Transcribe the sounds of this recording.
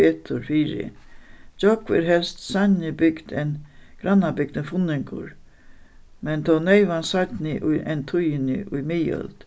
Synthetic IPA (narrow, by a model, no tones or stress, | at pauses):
ɛt̪ʰʊɾfiːɾɪ̰d͡ʒɔkʋɪ̰ɾɦɛlst̪sanɪbʏɡ̥d̪ɛnɡ̥ɾanːabɪɡ̥̚d̪əfʊnɪŋkʊ̰ɾ | mɛnt̪ʰɔwnɛɪʋansajt̪nɪʔʊjʔɛnt̪ʰʊjɪnɪ̰ʔʊjmɪjœ̰lt̪